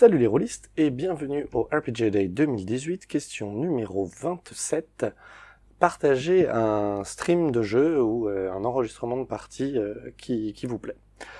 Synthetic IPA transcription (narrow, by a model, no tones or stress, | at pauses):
salyleʁolist̪ebjɛ̃vənyʔoʔɛʁped͡ʒed̪ɛd̪əmild̪izɥit̪kʲɛst̪jɔ̃nymeʁovɛ̃t̪sɛt̪ | paʁt̪aʒeɛ̃st̪χimd̪əʒøuøɛ̃nɑ̃ʁəʒist̪χəmɑ̃d̪əpaʁt̪ʰiøkʲʰikʲivuplɛ